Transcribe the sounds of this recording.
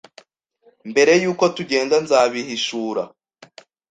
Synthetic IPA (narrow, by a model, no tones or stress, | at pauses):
mbe̞ɾe̞juːko̞tuɟe̞ːŋɡanzaːβihiʃuːɾa